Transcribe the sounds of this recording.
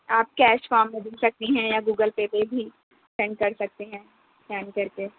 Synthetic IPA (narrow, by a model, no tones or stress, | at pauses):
aːp̚kɛːʃfaːɾmːẽd̪ɪlsɐk̚t̪iɦɛ̃jaɡuːɡəlpeːpebʱi | pɛ̃ɳɖkɐɾsɐk̚t̪eɦɛ̃ | pɛːnkɐɾkeː